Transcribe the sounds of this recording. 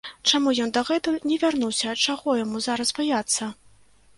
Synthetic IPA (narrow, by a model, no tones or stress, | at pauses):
t͡ʂamujɔnd̪ɐɣɛt̪ɐnʲɛvʲarnuwsʲɐːt͡ʂaɣɔjamuzaɾɐsbajat̪sːɐ